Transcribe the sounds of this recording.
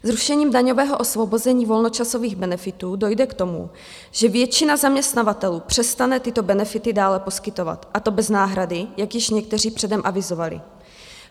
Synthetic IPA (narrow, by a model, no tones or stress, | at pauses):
zɾuʃɛɲiːmdaɲo̞vɛːɦo̞ʔo̞svo̞bo̞zɛɲiːvo̞lno̞t͡ʃaso̞viːɣbɛnɛfɪt̪uːdo̞jdɛkt̪o̞mṵ | ʒ̥ɛvjɛt͡ʃɪnazamɲɛst̪navat̪ɛluːpr̝̥ɛst̪anɛt̪ɪt̪o̞bɛnɛfɪt̪ɪdaːlɛpo̞skɪt̪o̞va̰t̪ʔat̪o̞bɛznaːɦɾadɪjakjɪʃɲɛk̚t̪ɛriːpr̝̥ɛdɛmʔavɪzo̞valɪ̰